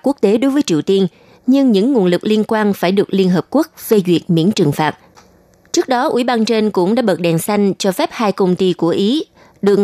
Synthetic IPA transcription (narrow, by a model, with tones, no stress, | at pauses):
ku˦˥k̚t̪e˨˦ɗo˨˦jvəː˨˦jt͡ɕḭ˨əwt̪i˧ən | ɲɨ˧ŋɲɨ̰˧˥ŋːu˨˩ənlɨ˨˩k̚li˧ənkwaː˧nfaː˧˩jɗɨ˨˩ək̚li˧ənɦəː˨˩p̚ku˦˥ək̚fe˧zwi˨˩ək̚mḭ˧˥ənt͡ɕɨ˨˩ŋfaː˨˩t̚ | t͡ɕɨ˦˥ək̚ɗɔ˨˦ʔwḭ˧˩ɓaː˧nt͡ɕe˧nkʊ̰˧˥ŋ͡mɗa̰ː˧˥ɓə˨˩t̚ɗɛ˨˩nsa˧jŋ̟t͡ɕɔ˧fɛ˦˥p̚haː˧jkə˧wŋ͡mt̪i˧ku˧˩əʔi˨˦ | ɗɨ˨˩ək̚